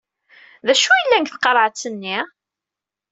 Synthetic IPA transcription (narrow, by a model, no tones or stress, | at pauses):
ðæʃujəlːæŋkθqːɑɾˤʕt͡sːənːi